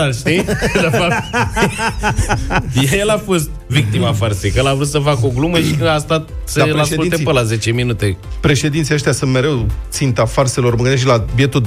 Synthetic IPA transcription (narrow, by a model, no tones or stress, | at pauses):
aʃt̪id̪efap̚t̪ | jejelafo̞st̪̚vik̚t̪imafarsejkəjelavɾut̪səfakoɡluməʃikəast̪at̪sealeasulepəlaze̞t͡ʃe̞minut̪epɾe̞ʃe̞d̪int̪sijaʃt̪jasunt̪me̞ɾe̞wt̪sint̪afarse̞lo̞rmɨɡ̪eʃ̬labjet̪u